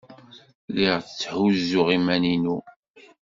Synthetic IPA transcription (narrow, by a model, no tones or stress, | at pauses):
liʁθət͡sːħuzːʊʁimæninu